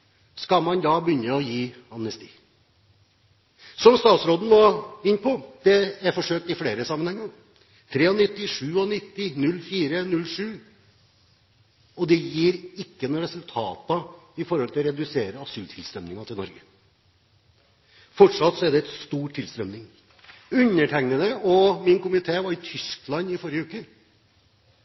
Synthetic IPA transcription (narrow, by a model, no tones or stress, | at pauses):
skɑlmɑnd̪ɑːbəʏnːəɔjiː | ɑmnəst̪ḭː | sɔmst̪ɑːt̪sɾoːd̪n̩ʋoːɪnːpʰɔd̪̥ɛæɾfɔʂøːk̚t̪ɪfleːɾəsɑmːənhɛŋːəɾ | t̪ʰɾeːɔnɪt̪ːɪʂʉːɔnɪt̪ːɪnʉlfiːɾənʉlʂʉː | ɔd̪ɛjiːɾɪkːənɔɾɛsʉlt̪ʰɑːt̪ɑɪfɔɾhɔlt̪ʰɪlɔɾɛd̪ʉseːɾəɑsʉːt̪ʰɪlst̪ɾœmnɪŋɑt̪ʰɪlnɔ̰ɾɡə | fɔʈʂɑt̪sɔæɖɛɛt̪st̪uːʈʰːɪlst̪ɾœmnɪŋ | ʉɲːəʈʰæŋnəd̪əɔmɪnkʰʊmɪt̪ʰeːʋɑɾɪt̪ʰʏsklɑnɪfɔɾjəʉːkə